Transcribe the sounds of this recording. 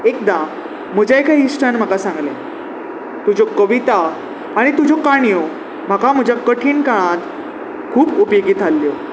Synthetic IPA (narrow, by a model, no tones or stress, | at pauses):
ek̚d̪ã | m̤əd͡ʑaekʰaɦisʈʰanm̤əkasãŋɡle | t̪ud͡ʑʱokəʋit̪aː | ɽ̃it̪ud͡ʑʱokaɳijo | m̤akam̤əd͡ʑʱjakəʈʰiːnkaɽ̃ãt̪ | kʰuːpupjoɡiːt̪alːjo